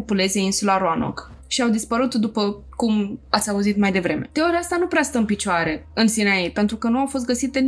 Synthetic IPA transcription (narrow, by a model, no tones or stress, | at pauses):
upule̞zieinsulaɾoano̰k | ʃiawd̪ispəɾut̪d̪upə | kumat̪sʲauzit̪majd̪e̞vɾe̞me̞d̪̥eoɾjaast̪anupɾeast̪əɨnpit͡ʃoaɾe̞ɨnsinaipe̞nt̪ɾukənuawfo̞s̬t̪̚ɡəsit̪e